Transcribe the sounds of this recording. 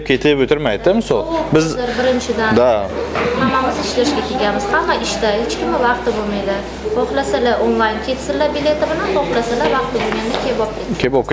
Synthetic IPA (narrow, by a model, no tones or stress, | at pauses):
p̚kʲʰe̞t̪ʰɪpot̪ʰɪɾmajd̪ɪɪmɪso̰lˠbɪzɪɾbɪɾɪnt͡ʃʰɪd̪and̪ahamːamɪzɪʃlaɪʃɡʲakʲʰeɡʲanmɪz̥hamːaʔɪʃt̪ahet͡ʃkʲɪmɪvɑqt̪ɪbolmajd̪ɪ | ɒχlˠasalaʔonlˠajnkʲʰe̞t̪sɪlabile̞t̪ɪbɪlanbɒχlˠasalavɑq̚t̪ɪbolˠɡʲand̪akʲʰe̞pɒp̚kʰʲekʲʰepɒp̚kʲ